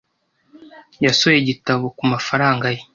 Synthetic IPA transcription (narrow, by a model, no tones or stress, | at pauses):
jasojeɟitaβo̞kumafaɾaːŋɡaje